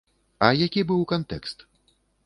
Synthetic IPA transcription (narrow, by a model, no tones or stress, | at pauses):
ɐjakʲibɨwkant̪ɛ̰kst̪